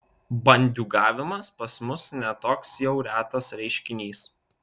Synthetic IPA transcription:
bɐnʲd̪ʲuːɡɑːʋʲɪmɐspɐsmʊsnʲɛt̪oːksjɛʊɾʲæːt̪ɐsɾʲɛɪʃʲkʲɪnʲiːs

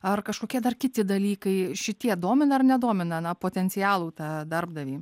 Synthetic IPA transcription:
ɐrkɐʃkoːkʲiɛd̪ɐrkʲɪt̪ʲɪd̪ɐlʲiːkɐɪʃʲɪt̪ʲiɛd̪oːmʲɪnɐɐrnʲɛd̪oɔmʲɪnɐnɐpoːt̪ʲɛnʲt͡ssʲɪjæːlˠuːt̪ɑːd̪ɐrbd̪ɐʋʲiː

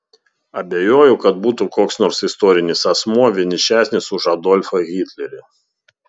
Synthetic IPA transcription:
ɐbʲeːjoːjʊkɐt̪̚buːt̪ukoːksnɔːɾsɪst̪ɔːɾʲɪnʲɪsɐsmuɔʋʲɪnʲɪʃʲæːsʲnʲɪsʊʃɐd̪ɔlʲfɐɣʲiːt̪ʲlʲɛɾʲɪ

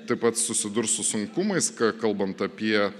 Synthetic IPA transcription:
t̪ɐɪpɐt̪sʊsʲɪd̪ʊɾssʊsʊŋkʊmɐɪskɑkɐlˠbɐnt̪ɐpʲiɛ

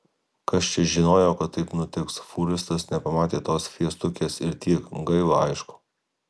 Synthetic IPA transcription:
kɐst͡ʃʲɛʒʲɪnoːjoːkɐt̪ːɐɪpnʊt̪ʲɪksfuːɾʲɪst̪ɐsnʲɛpɐmɑːt̪ʲeːt̪oːsfʲiɛst̪ʊkʲeːsɪɾt̪ʲiɛkɡɐɪʋˠoɐɪʃkʊ̥

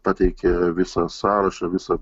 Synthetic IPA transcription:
pɑt̪ʲɛɪkʲɛʋʲɪsɐsɑːɾɐʃɑʋʲɪsɐ

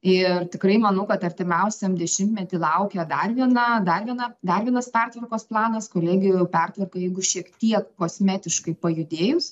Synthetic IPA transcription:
ɪrt̪ʲɪkɾɐɪmɐnɐʊkɐt̪ɐɾʲt̪ʲɪmʲɛʊsʲɛmd̪ʲɛʃʲɪmt̪ʲmʲɛt̪ʲɪlˠɐʊkʲɛd̪ɐrʋʲiɛnɐd̪ɐrʋʲiɛnɐd̪ɐrʋʲiɛnɐspʲɛrt̪ʋɐrkoːsplˠɑːnɐskoːlʲɛːɡʲɪjojʊpʲɛrt̪ʋɐrkɐjɛɪɡʊʃʲiɛkt̪ʲiɛkkoːsʲmʲæːt̪ʲɪʃkɐɪpɐjʊd̪ʲeːjʊs

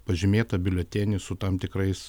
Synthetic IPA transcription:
pɐʒʲɪmʲeːt̪ɐbʲɪlʲot̪ʲɛnʲɪsʊt̪ɐmt̪ʲɪkɾɐɪs

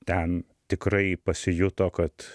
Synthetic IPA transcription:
t̪ʲɛn | t̪ʲɪkɾɐɪpɐsʲɪjʊt̪oːkɐt̪

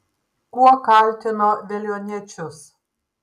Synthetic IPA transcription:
kuɔkalʲt̪ʲɪnod̪ʲɛlʲjonʲiɛt͡ʃʲʊs

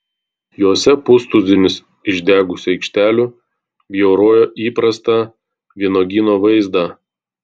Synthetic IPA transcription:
joːsʲɛpʊst̪ʊzʲɪnʲɪs | ɪʒʲd̪ʲæːɡʊsʲʊɛɪkʃʲt̪ʲæːlʲuː | bʲjɛʊɾoːjoːʔiːpɾɐst̪ɑˑ | ʋʲiɛnoːɡʲinoːʋɐɪzd̪ɑ

